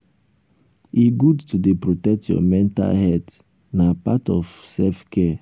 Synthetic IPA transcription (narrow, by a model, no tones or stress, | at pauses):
iɡudtudepɹotɛk̚tjɔ̰mɛ̃nta̰hɛt | napatɔfsɛfkʰɛ